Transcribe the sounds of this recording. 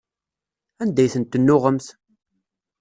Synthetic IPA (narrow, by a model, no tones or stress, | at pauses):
ænd̪æjθənt̪ːənːʊʁəmθ